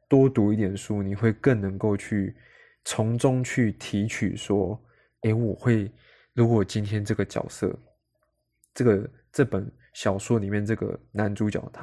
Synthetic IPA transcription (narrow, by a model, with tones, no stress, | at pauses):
t̪wɔ˥t̪u˧˥i˥˩t̪jɛ˨˩nʂu˥ni˨˩xwe˥˧ɪkə˥˨˩ŋnə˧˥ŋko˥˧ʊt͡ɕʰy˥˩ | t͡sʰʊ˧˥ŋt͡sʊ˥ŋt͡ɕʰy˥˩t̪ʰi˧˥t͡ɕʰy̰˨˩ʂwɔ˦ | e˥˩ɪwɔ˨˩xwe˥˩ɪ | ɻu˨˧˥kwɔ˨˩t͡ɕi˦˥nt̪ʰjɛ˥nʈ͡ʂɤ˥˩ɡə˩t͡ɕjɑ̰˨˩ʊsɤ̰˥˩˨ | ʈ͡ʂɤ˥˩ɡə˨˩ | ʈ͡ʂɤ˥˩pə˨˩n | ɕjɑ˨˩ʊswɔ˥˩ni˨˩mjɛ˥˧nʈ͡ʂɤ˥˧˩ɡə̰˩na˧˦nʈ͡ʂu˧˥t͡ɕjɑ̰˨˩˦ʊt̪ʰa˦